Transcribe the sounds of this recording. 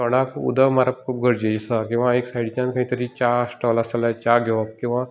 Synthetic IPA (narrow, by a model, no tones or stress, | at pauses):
təɽ̃akṵd̪əmaɾəp̚kʰuːp̚ɡʱəɾd͡ʑed͡ʑisakĩw̃ʋaeksaiɽit͡ɕãnkãɦĩt̪əɾiːt͡ɕasʈəʋlasəlat͡ɕaɡʱeʋap̚kĩw̃ʋa